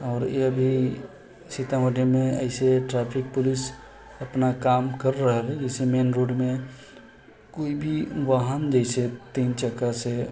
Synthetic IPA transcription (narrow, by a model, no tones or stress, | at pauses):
ɔːɾeəbʱi | sɪt̪aɦoɖemẽɛ̰ɪseʈɾaːpʰɪk̚pʊlɪs | ɐpnakaːmkəɾːəɦelɛd͡ʒɛɪsemeːnɾoːɖmẽ | koːibʱiʋaɦənd͡ʒɛɪset̪iːnt͡ʃəkase